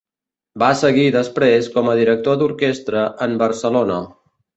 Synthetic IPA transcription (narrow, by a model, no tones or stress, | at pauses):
basəɣiðəspɾeskɔməðiɾək̚t̪od̪uɾkest̪ɾəʔəmbəɾsəlonə